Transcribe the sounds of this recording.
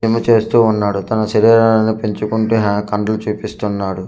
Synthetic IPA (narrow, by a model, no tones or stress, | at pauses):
imɐt͡ʃe̞ːst̪uːunːaːɽut̪ɐnɐsiɾeːɾanɐnipiɲt͡ʃukuɳʈuːɦkɐɳɖɐlut͡ʃuːpist̪unːaːɽu